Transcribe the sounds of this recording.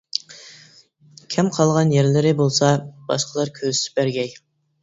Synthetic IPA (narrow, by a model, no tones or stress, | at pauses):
kʲʰɛmqʰɑlˠʁɑnjɛɾlɪɾɪbolˠsɑb̥ɑ̰ʃqʰəlˠɑɾkʲʰøzsɪ̥bæɾɡʲɛj